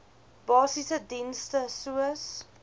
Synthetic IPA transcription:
b̥ɑːsisədɛnstəsuəs

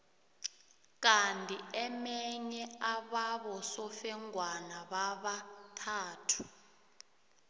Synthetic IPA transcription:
k̬antʼiɛmɛɲɛaɓaɓɔsɔfɛŋwanaɓaɓatʰaːtʰu̥

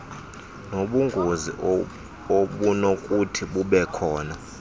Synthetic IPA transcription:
noɓuŋɡʱozḭ | oɓunokʼutʰiɓuɓɛkʰɔːna

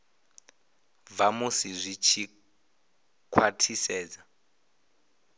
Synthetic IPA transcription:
vamusizʷit͡ʃʰi | kʰwatʰisɛːd͡za

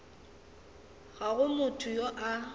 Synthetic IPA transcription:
ɣaɣʊmʊtʰʊjoʔa

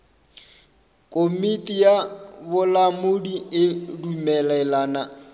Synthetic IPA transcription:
kʼomitʼijabʊlamʊdiɪdumɛlɛlaːna

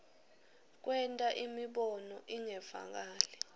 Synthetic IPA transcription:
k̬ʼwɛntʼaʔimiɓɔnɔʔiŋɛva̰k̬aːlɛ

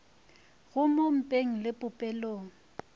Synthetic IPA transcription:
ɣʊmom̩pʼeŋ̩lɪpʼʊpʼɛloːŋ̩

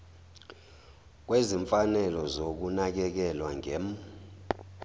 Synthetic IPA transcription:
k̬weziɱfanɛlɔzok̬unak̬ɛk̬ɛlwaŋem

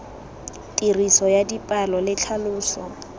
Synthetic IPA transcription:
tʼirisɔjadipʼalɔlɪt͡ɬʰalʊːsɔ

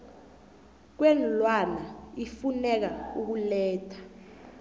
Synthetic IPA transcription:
k̬wɛnlwanaifunɛk̬auk̬ulɛːtʰḁ

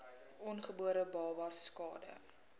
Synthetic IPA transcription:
ʔɔnχəbuəɾəbɑːvɐsːkɑ̰ːdə̰

